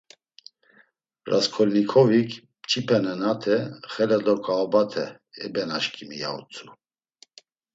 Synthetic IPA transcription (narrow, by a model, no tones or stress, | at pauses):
raskʰɔlnikʰɔvikʰ | t͡ʃʰʼipʰɛnɛnat̪ʰɛχɛlɛd̪ɔkʼaːbat̪ʰɛ | ɛ̰bɛnaʃkʰʼimija̰ṵt͡sʰʼu